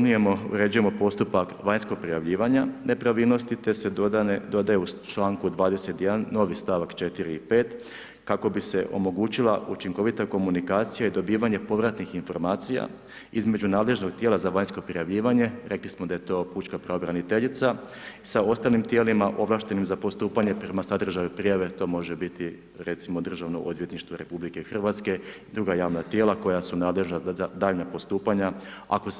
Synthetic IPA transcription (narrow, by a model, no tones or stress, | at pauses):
nuje̞moṵɾe̞ːd͡ʒuje̞mo̞po̞st̪upakʋaɲskoɡ̚pɾijaʋʎiːʋaɲane̞pɾaʋiːlˠno̞st̪it̪e̞sed̪o̞d̪ajeut͡ʃlaːŋkud̪ʋaːd̪e̞se̞t̪ijed̪anːo̞ʋist̪aʋakt͡ʃe̞t̪iɾiipe̞ːt̪ | kako̞bise̞ʔo̞̰mo̞ɡuːt͡ɕilˠa̰ʔut͡ʃiŋko̞ʋit̪ako̞munikaːt̪sijaid̪o̞biːʋaɲe̞po̞ʋɾat̪nixinfo̞̰ɾmaːt̪sija̰ | izme̞d͡ʑunaːd̪leʒno̞ɡ̚t̪jeːlazaʋaɲsko̞pɾijaʋʎiːʋaɲe̞ɾe̞klismod̪aje̞t̪o̞ːpuːt͡ʃkapɾeobɾanit̪e̞ʎit̪sa | sao̞st̪aːlimt̪je̞ːlimaʔo̞ʋlˠaːʃt̪e̞nimzapo̞st̪uːpaɲe̞pɾemasad̪r̩ʒaʋipɾijaʋe̞t̪o̞ːmo̞ʒebit̪i | ɾe̞t̪simo̞d̪r̩ʒaʋnoʔo̞d̪ʋje̞t̪niʃt̪ʋoɾepublike̞xr̩ʋat̪ske̞id̪ɾuɡajaːʋnat̪je̞ːlˠako̞jasunaːd̪le̞ʒnad̪aːʎnapo̞st̪uːpaɲaa̰ko